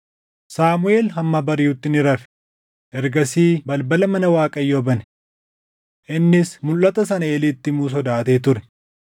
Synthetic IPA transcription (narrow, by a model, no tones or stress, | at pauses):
saːmʊeːlɦɐmːɐːbɐɾɪjuːt̪ːɪnɪɾɐfɛ̥ | ʔɛɾɡɐsiːbɐlbɐlɐmɐnɐwaːkʼɐjːobɐnɛ | ʔɪnːɪsmʊlːɐt̪ɐs̬ɐnɐeːliːt̪ːɪmuːs̬ɔd̪aːt̪e̞ːt̪ʊɾɛ̥